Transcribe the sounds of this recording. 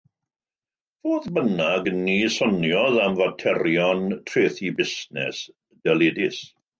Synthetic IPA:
voːðbənaɡniːsɔnjɔðamvatʰɛɾjɔntʰreːθibɪsnɛ̰s | d̥ɛlˠeːdɪs

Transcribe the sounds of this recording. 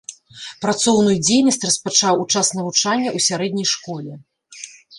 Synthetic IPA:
pɾat̪sɔwn̪ujud͡zʲejnɐsʲt͡sʲrɐspat͡ʂawut͡ʂasnɐvut͡ʂanʲːɐʔusʲaɾɛd̪̚ʲnʲɐjʂkɔlʲɛ

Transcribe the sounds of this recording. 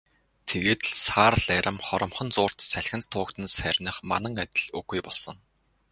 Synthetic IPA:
t̪ʰeɣeːt̪̆ɮsaːrɮæɾʲə̆mχɔɾɞ̆mχɞ̆nt͡sʊːr̥t̪sæɮʲxʲɘ̆nt͡st̪ʰʊːkt̪ɘ̆nsærʲnə̆χma̰nə̆ŋat̪ʲɪ̆ɮɵxujpɔɮsɞ̆ŋ

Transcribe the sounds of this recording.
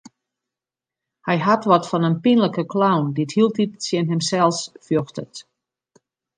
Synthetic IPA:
hɛjɦatʋɔtfɔnənpinləkəklawndithilˠtitsjɛnɦɪmsɛlˠsfjɔxtət

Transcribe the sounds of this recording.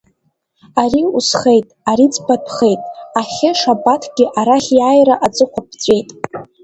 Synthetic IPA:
aɾiusχe̞jtʼaɾit͡sʼbadʷʰʼχejtʼaχʲɪʂabatʰɡ̥ʲɪʔaɾaχʲjajraʔat͡sʼɨχʷʰapʰt͡sʷʼe̞jtʼ

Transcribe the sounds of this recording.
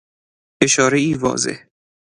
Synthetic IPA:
eʃɒːɾeiːvɒ̰ːzḛh

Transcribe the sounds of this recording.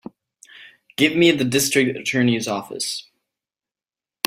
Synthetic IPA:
ɡ̥ɪvmiɨt̪̚ðɨdɪstɹ̥ɨk̚tɨtʰɜ̃˞nizɔfɨ̰s

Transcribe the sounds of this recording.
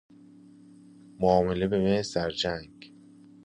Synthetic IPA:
moɒːmelebemesæɾd͡ʒæŋɡ̥

